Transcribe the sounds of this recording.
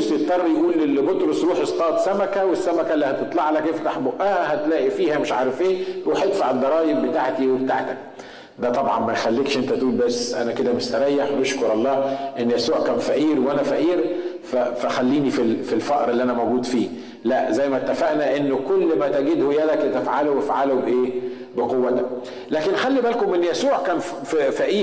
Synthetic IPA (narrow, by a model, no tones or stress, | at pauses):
set̪ˤːɑrˤːjʔuːlelːibot̪ɾosɾuːħest̪ˤɑːt̪sæmækæwesːæmækælːihæt̪et̪ˤlɑʕalækeft̪aħboʔæhæhæt̪læːʔifiːhæmeʃʕɑːɾˤefʔeːɾuːħjet̪faʕed̪ːɑɾˤɑːjebbet̪aːʕt̪iwebt̪aʕt̪æk̚ | d̪æt̪ˤɑbʕɑ̰nmænxælːiːkʃʔent̪æt̪ʔuːlbæsːʔænæked̪æmeʃt̪æɾˤɑjːeħwʔeʃkoɾˤʔɑlˤːɑːʔenːjæsuːʕkæːnfæʔiːɾweʔænæfæʔiːɾfæfæxælːiːnifilfilfɑʔɾʔelːiʔænæmæwɡuːd̪fiː | læʔzæjːmæt̪ːæfæʔnæʔenːkolːmæt̪æɡed̪hojæd̪æklet̪æfʕalobefʕalobeʔeː | beqowːæt̪æk̚ | læːkenxælːibælkomʔenːjæsuːʕkæːn | ffæʔiː